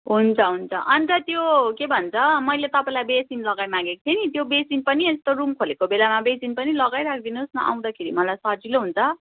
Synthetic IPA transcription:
ɦunt͡sʰʌɦunt͡sʰʌʔʌnit̪ʌt̪jokebʱʌnt͡sʰʌmʌjlet̪ʌpaĩlajbesinlʌɡajmãɡeko̥t̪ʰenit̪jobesinpʌniest̪oɾumkʰolekobelamabesinpʌnilʌɡajɾak̚ʰd̪inosnʌ̰ʔa̰w̃d̪akʰeɾḭmʌlajsʌd͡ziloɦunt͡sʰʌ

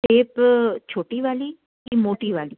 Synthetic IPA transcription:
ʈeːpt͡ʃʰoːʈiʋaːli | kimoːʈiʋaːli

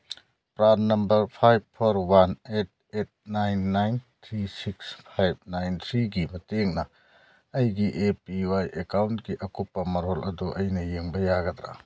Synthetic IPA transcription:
pɾadnɐmbɐɾpʰajb̚pʰːoɾwanet̚et̚najnːajnt̪ʰɾisikspʰajb̚najnt̪ʰɾiɡimɐteŋnɐ | ɐjɡiʔepiwajekawntɡiʔɐkupːɐmɐɾɦolʔɐ̰duʔɐjnɐjeŋbɐjaɡɐd̪ɾa̰

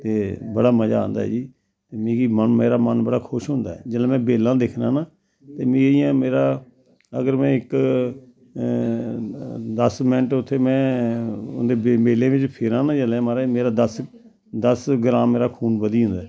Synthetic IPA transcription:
t̪eːbəɽaːməd͡ʒã̰ːnd̪a̰ːɛ̰ːd͡ʒiː | t̪eːmĩːkiːmənmeːɾaːmənbəɽaːkʰʊʃɦʊ̃ːnd̪a̰ːɛ̰ːd͡ʒəlɛ̃ːmɛ̃ːbeːlãːd̪ekʰnãːnãː | t̪eːmĩːijãːmeːɾaː | ə̰ɡəɾmɛ̃ːɪk | d̪əsmɛ̃ɳʈʊt̪ʰːeːmɛ̃ː | ʊ̰nd̪eːbmeːlẽːʋɪt͡ʃpʰɪɾãːnãːd͡ʒəlɛːmaːɾaːmeːɾaːd̪əs | d̪əsɡəɾãːmːeːɾaːkʰuːnbəd̪iːɦʊ̃nd̪aːɛː

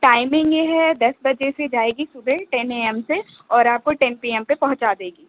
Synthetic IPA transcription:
ʈaːɪmɪ̃ŋɡjeɦɛd̪ɐsbɐd͡ʒesed͡ʒaːeːɡisʊbʱɛʈɛneːɛmse | ɔːɾaːp̚koʈɛnpiːɛmpepɐ̃ɦʊ̃t͡ʃad̪eːɡiː

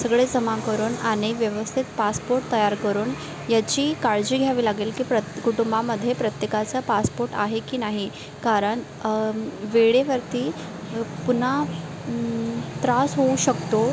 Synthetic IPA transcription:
səɡɭed͡zəmãkəɾuːnaɽ̃iʋjəʋəst̪ʰit̪paspoɾʈ̚t̪əjaɾkəɾuːn | jat͡ɕiːkaɭd͡ʑiːɡʱjaʋiːlaɡiːlkiːpɾəkuʈumbaməd̪ʱːjepɾət̪jekat͡səpaspoɾʈa̰ɦekiːnaɦi | kaɾəɳ | ʋeɭeʋəɾt̪iː | pun̤a | t̪ɾasɦouɕəkt̪o

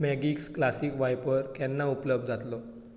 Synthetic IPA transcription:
mɛɡiksklasiːkʋajpəɾkɛnːaupləb̚d̪d͡zʱat̪lɔ

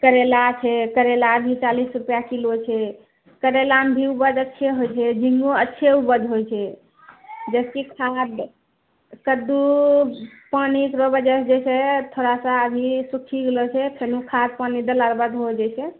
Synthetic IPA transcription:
kəɾelat͡ʃʰɛkəɾelabʱit͡ʃalisɾupjakilot͡ʃʰɛ | kəɾelambʱiubəd͡ʒətːʃʰeɦojt͡ʃʰɛd͡ʒiŋɡoətːʃʰeubəd͡ʒɦojt͡ʃʰɛ | d͡ʒɛskikʰad̪ | kəd̪u | panikɾobed͡ʒɛsd͡ʒesʰet̪ʰoɾasə̃əbʱisukʰiɡelɔt͡ʃʰɛp̪ʰenukʰad̪̚panid̪əlaɾbəd̪ɦod͡ʒɛsʰe

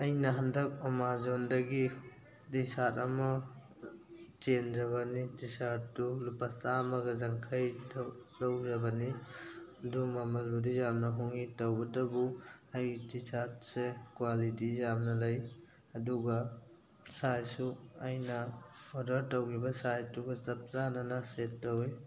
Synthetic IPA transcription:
ɐjnɐɦɐndɐk̚ɔmazondɐɡi | disatɐmɐ | t͡ʃend͡ʒɐβanidisat̚dulupasamɐɡɐzaŋkʰajdlawzɐbɐni | ɐdumamɐlbudijamnɐɦuŋitɐwɡɐdɐbuajdisat̚sekwalitijamnɐlɐj | ɐduɡɐ | sajsuajnɐɔdɐɾtɐwɡibɐsajtːuɡɐsɐp̚zananasetːɐwi

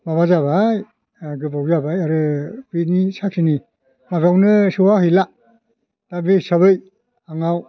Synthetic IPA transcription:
maβazaβaj | ɡɯbawzabajaɾɯbinisak̚sini | maɡawnɯsɯwahɯjla | tabisabɯj | aŋaw

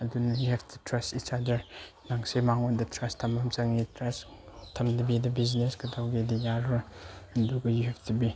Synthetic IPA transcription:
ɐdunɐjuɦɛbtʰutɾɐstisadɐɾ | naŋsemaŋodɐtʰɾɐstʰɐmɐmt͡ʃɐŋitʰɾɐs | tʰɐmdɐbidɐbiznesɡɐdawɡedijaɾɐɐnduɡɐjuɦɛp̚tubi

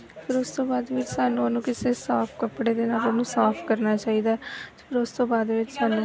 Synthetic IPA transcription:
pʰɪɾʊst̪õːbaːd̪ʋɪt͡ʃsaːnũːənũːkɪseːsaːpʰkəpːɽeːd̪eːnaːlonũːsaːpʰkəɾnaːt͡ʃaːiːd̪aːt̪ːpʰɪɾʊst̪õːbaːd̪ʋɪt͡ʃsaːnũː

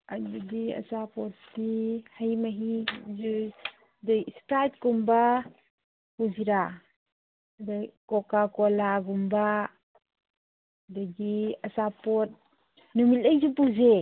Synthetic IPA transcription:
adudia̰sapɔtːihajmaɦizu | dstat̚kumba | puziɾa | dkɔkakɔlaɡumba | daɡiasapɔt̚ | numitajzupuze

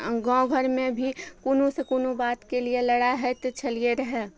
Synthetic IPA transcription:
ɡɔ̃ɡʱəɾmẽbʱikunũsekunubaːt̪kelieləɽaɦɛt̪t͡ʃʰəlieɾəɦe

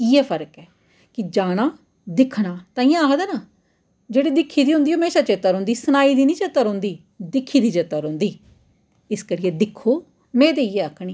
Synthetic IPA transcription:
iːɛːpʰəɾəkɛː | kɪd͡ʒaːɽ̃aː | d̪ɪkʰɽaːt̪ãːĩːãaːkd̪ɛːnaː | d͡ʒeːɽiːd̪ɪkʰːiːd̪iːɦʊ̃nd̪iːɦəmeːʃaːt͡ʃeːt̪aːɾõʊ̃ːnd̪iːsənaːiːd̪iːnĩːt͡ʃeːt̪aːɾɦʊ̃ːnd̪iː | d̪ɪkʰːiːd̪iːt͡ʃeːt̪aːɾõːnd̪iː | ɪskəɾiːɛːd̪ɪkʰːoː | mẽːt̪eːiːɛːəkʰːɽ̃iː

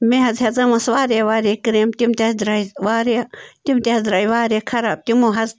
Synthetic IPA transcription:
meɦɐzɦɐzɐmɐsʋaːɾaʋaːɾekɾemt̪imt̪edɾaiʋaːɾiat̪imt̪eɦɐzɾaːiʋaːɾekʰɐɾaːb̚t̪imoɦɐz

